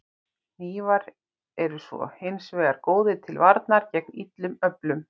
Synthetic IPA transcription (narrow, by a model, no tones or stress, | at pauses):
niːvaɾ | ɛɾʏsvɔ̰hɪnsveːɣaɾkoːwðɪt̪ʰɪlvaɾt̪̚naɾ̥cɛk̚nit̪lʏmœplʏm